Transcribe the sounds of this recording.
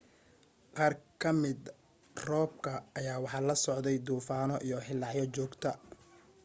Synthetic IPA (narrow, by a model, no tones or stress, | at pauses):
qɑːrkʰɐmɪd̪ | rɔːb̚kʰɐːjaːwɑħɑlɐsɔʕd̪ɛjd̪uːfaːnɔʔijɔħɪlːɑʕjɔt͡ʃɔːɡt̪ʰɐ